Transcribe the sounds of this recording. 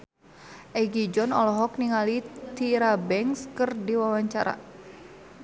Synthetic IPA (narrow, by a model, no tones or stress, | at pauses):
ʔɛɡid͡ʒɔnɔlɔɦɔk̚niŋalit̪iɾabɛŋskɨrdiwawaɲt͡ʃaɾa̰